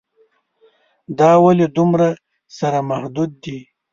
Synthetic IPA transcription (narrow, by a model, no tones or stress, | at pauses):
d̪ɑwalid̪umɾa | saɾamahd̪ud̪̚ːi